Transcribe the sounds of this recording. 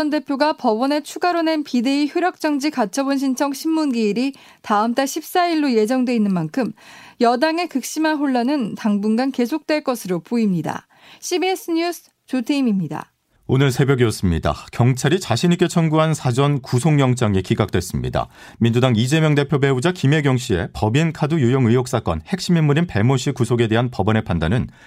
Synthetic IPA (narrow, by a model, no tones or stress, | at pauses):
ʌnde̞pʰjoɡapʌbʌne̞t͡ɕʰuɡaɾone̞npide̞içuɾjʌk̚t͡ɕ͈ʌŋd͡ʑikat͡ɕʰʌbonɕ̬ʰint͡ɕʰʌŋɕʰimːunɡiːɾi | taɯmt͈aɕʰip̚s͈aiɭːoje̞d͡ʑʌŋdwe̞inːɯnmankʰɯmjʌdaŋe̞kɯk̚ɕ͈imanɸoɭːanɯntaŋbunɡanke̞sʰok̚t͈we̞ɭk͈ʌsʰɯɾopoimɲida̰ | ɕʰibies͈ʰɯɲusʰ | t͡ɕutʰeimimɲida̰ | onɯɭsʰe̞bjʌɡiʌs͈ɯmɲida̰kjʌŋt͡ɕʰaɾit͡ɕaɕʰiɲik͈e̞t͡ɕʰʌnɡuɦansʰad͡ʑʌnkusʰoŋjʌŋt͡ɕ͈aŋikiɡak̚t͈we̞s͈ɯmɲḭda̰ | mind͡ʑudaŋid͡ʑe̞mjʌŋde̞pʰjobe̞ud͡ʑakime̞ɡjʌŋɕ͈ʰie̞pʌbinkʰadujujoŋɯjok̚s͈ak͈ʌ̰nhe̞k̚ɕ͈iminmːuɾinpe̞moɕʰikusʰoɡe̞de̞ɦanpʌbʌne̞pʰanda̰nɯn